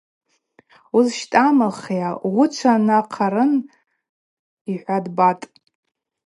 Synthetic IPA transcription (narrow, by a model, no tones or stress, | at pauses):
uzʃtʼamalχjaʁʷʊt͡ʃʷʰanaqʰaɾɨn | iħʷadbatʼ